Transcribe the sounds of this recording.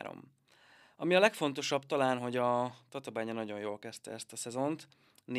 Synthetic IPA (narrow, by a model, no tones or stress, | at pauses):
ɾo̰m | ɒmiɒlɛkfo̞n̪t̪o̞ʃɒbt̪ɒlaːnɦo̞ɟɒt̪ɒt̪ɒbaːɲɒnɒɟo̞njoːlkɛst̪ɛ̰ɛst̪ɒsɛzo̞nt̪ | n